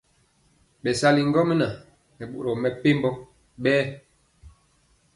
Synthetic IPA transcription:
ɓɛ˨sa˦li˨ŋ̩˦ɡɔ˦me˦na˨ | nɛ˨ɓṵ˨ɾɔ˨mɛ˨pe˦mbɔ˦ | ɓɛː˦

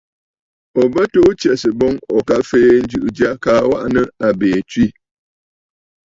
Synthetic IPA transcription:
ɔ˨bə˦to˦t͡ʃɛ˨sə˨bɔ˦ŋɔ˨ka˦feː˦n̩˦d͡ʒɨ˨ʔd͡ʒa˦kaː˦wa˦ʔnə˦a˨beː˨t͡ʃɥi˦

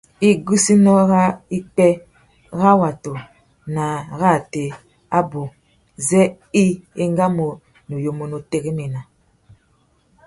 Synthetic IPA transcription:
i˦ɡu˦si˦nɔ˦ɣa˦i˦k͡pɛ˦ | ɣa˦wa˨to˨ | na˨ɣa˦˨te˨ | a˦bo˨ | zɛ˦ | i˦e˦ŋ˦ɡa˦mo˨ | no˨jo˨mo˨no˨te˦ɣi˦me˨na˨

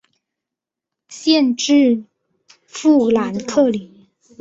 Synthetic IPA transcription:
ɕjɛ˥˧nʈ͡ʂɻ̩˥˧ | fu˥˩la˧˥nkʰɤ˥˩li˨˩˦

